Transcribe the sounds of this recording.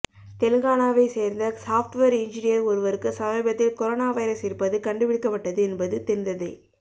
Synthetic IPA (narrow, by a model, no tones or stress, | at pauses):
t̪ɛlɯɣaːnaːʋɐɪseːɾnd̪ɐsaːfʈʋɐɾɪnd͡ʒɪnɪjɐɾɔɾɯʋɐɾɯkːɯsɐmɐɪbɐt̪ːɪlkɔɾoːnaːʋɐɪɾɐsɪɾɯpːɐðɯkɐɳɖɯʋɪɽɯkːɐpːɐʈːɐðɯɛnbɐðɯt̪ɛɾnd̪ɐðɯ